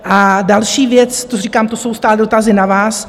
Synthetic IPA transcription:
ʔadalʃiːvjɛt͡st̪oriːkaːmt̪oso̞wst̪aːldo̞t̪azɪnavaːs

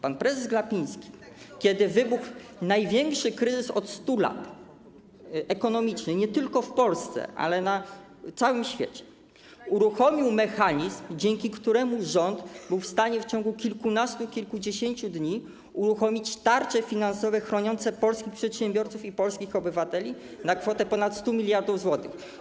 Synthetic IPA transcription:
panpɾɛzɛzɡlapʲij̃skʲi̥ | kʲɛd̪ɘvɘbuxnajvʲjɛŋkʂɘkɾɘzɘsɔt̪st̪ula̰t̪ | ɛkɔn̪ɔmʲit͡ʂnɘɲɛt̪ɘlkɔfpɔlst̪sɛ̰ʔa̰lɛna | t̪sawɘmɕfʲjḛt͡ɕɛ̥ | uɾuxɔmʲiwmɛxaɲizmd͡ʑɛŋkʲikt̪uɾɛmuʐɔnd̪bɘwfst̪aɲɛft͡ɕɔŋɡukʲilkunast̪ukʲilkud͡ʑeɕeɲt͡ɕud̪ɲi | uɾuxɔmʲit͡ɕt̪aɾt͡ʂɛfʲinansɔvɛxɾɔɲɔnt̪sɛpɔlskʲixpʂɛt̪ɕɛmbʲjɔɾt̪sufipɔlskʲixɔbɘvat̪ɛlʲi | nakfɔt̪ɛpɔnat̪st̪umʲilʲjaɾd̪ufzwɔt̪ɘx

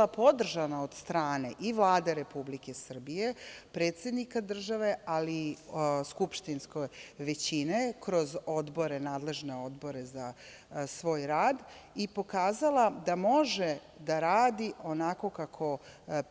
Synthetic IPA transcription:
apo̞d̪r̩ʒanaod̪̥st̪ɾaːne̞ʔiʋlˠaːd̪eɾe̞publike̞sr̩bije̞pɾe̞ːt̪sʲje̞d̪nikad̪r̩ʒaʋe̞aliskupʃt̪inskojʋet͡ɕinekɾo̞zo̞d̪bo̞ɾe̞naːd̪le̞ʒne̞o̞d̪bo̞ɾe̞za | sʋo̞ːjɾaːd̪ | ipo̞kaːzalˠad̪amo̞ʒe | d̪aɾaːd̪io̞nako̞kakʰo̞

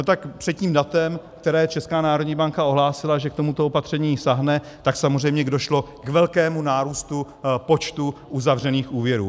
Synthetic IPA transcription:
not̪akpr̥ɛd̪ciːmdat̪ɛmk̚t̪ɛɾɛːt͡ʃɛskaːnaːɾodɲiːbaŋkao̞ɦlaːsɪlaʒɛk̚t̪o̞mut̪oopat̪r̥ɛɲiːsaɦnɛ | t̪aksamor̝ɛjmɲɛɡdoʃlo̞kvɛlkɛːmunaːɾuːst̪u | po̞t͡ʃt̪uʔuzavr̝ɛniːxuːvjɛɾṵː

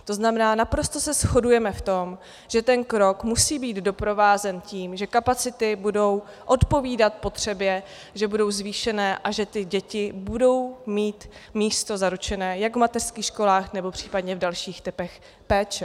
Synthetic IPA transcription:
t̪o̞znamɛnaːnapɾo̞st̪o̞sɛsxo̞dujɛmɛft̪o̞m | ʒ̥ɛt̪ɛnkɾo̞kmusiːbiːd̪do̞pɾo̞vaːzɛnciːmʒɛkapat͡sɪt̪ɪbudo̞w | ʔo̞t̪po̞viːdat̪po̞t̪r̝̥ɛbjɛ | ʒɛbudo̞wzviːʃɛnɛːʔaʒɛt̪ɪɟɛcɪbudo̞wmiːt̪miːst̪o̞zaɾut͡ʃɛnɛːjaɡvmat̪ɛr̥skiːxʃko̞laːxnɛbo̞pr̝̥iːpadɲɛvdalʃiːxt̪ɪpɛx | pɛːt͡ʃɛ

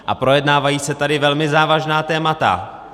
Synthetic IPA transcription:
ʔapɾo̞jɛdnaːvajiːsɛt̪adɪvɛlmɪzaːvaʒnaːt̪ɛːmat̪a̰

